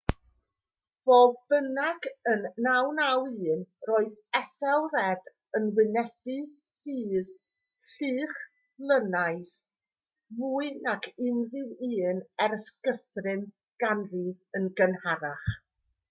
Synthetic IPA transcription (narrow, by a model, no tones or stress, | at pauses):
voːðb̥ənaɡənːawnawiːnroːɨðɛθɛlˠrɛd | ənwɪnɛb̥ɨsiːð | ɬiːχ | lˠənajθ | muːɨnakʰɪnrɪwiːnɛɾəskəθrɪn | ɡ̥anriðənɡənhaɾaχ